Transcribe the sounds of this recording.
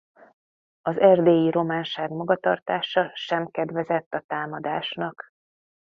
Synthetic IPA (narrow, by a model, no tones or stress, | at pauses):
ɒzɛrd̪eːjiɾo̞maːnʃaːɡmɒɡɒt̪ɒrt̪aːʃɒʃɛmkɛd̪ʋvɛzɛt̪ːɒt̪aːmɒd̪aːʃnɒk